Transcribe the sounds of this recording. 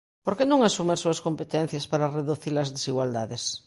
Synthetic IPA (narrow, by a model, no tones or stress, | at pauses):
poɾkenõŋasumeɾsuaskompet̪en̟θjaspaɾareðuθiɾlɐzðesiɣwald̪aðes